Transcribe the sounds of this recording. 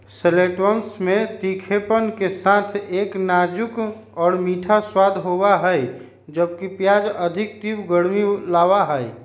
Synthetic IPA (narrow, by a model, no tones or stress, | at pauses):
seleʈwənsmẽt̪ikʰepənkesat̪ʰeːknad͡ʒʊk | ɔːɾmiʈʰaswaːd̪ʱɦobaɦəj | d͡ʒəbkipjaːd͡ʒəd̪ʱɪk̚t̪ibɡəɽmilaːwaɦəɛ